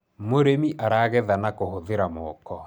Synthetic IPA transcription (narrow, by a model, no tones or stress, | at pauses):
moɾemiʔaɾaɣɛðanakohoðeɾamɔːkɔ